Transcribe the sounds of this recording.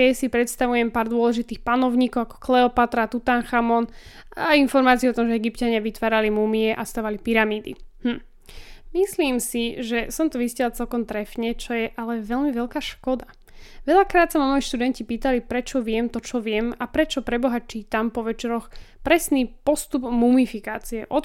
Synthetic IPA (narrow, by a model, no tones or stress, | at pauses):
ɛsipɾɛt̪st̪aʋujɛmpaːɾd̪ʊɔlɛʒit̪iːxpanɔʊɲiːkɔʊakɔ̥klɛɔpat̪ɾat̪ut̪aŋxamɔn | ainfɔɾmaːt͡siɛɔt̪ɔmʒɛɛɡipcaɲɪaʋit̪ʋaːɾalimumiɛʔast̪aːʋalipiɾamiːd̪ḭmm̩ | misliːmsiʒɛsɔmt̪ɔʋiscɛlat͡sɛlkɔmt̪ɾɛfɲɛt͡ʃɔjɛʔalɛʋɛʎmiʋɛʎkaːʃkɔd̪a | ʋɛʎakɾaːt̪samamɔjiʃt̪ud̪ɛɲcipiːt̪alipɾɛt͡ʃɔʋɪɛmt̪ɔt͡ʃɔʋɪɛmapɾɛt͡ʃɔpɾɛbɔɦat͡ʃiːt̪ampɔʋɛt͡ʃɛɾɔxpɾɛsniːpɔst̪ubmumifikaːt͡siɛʔɔt̪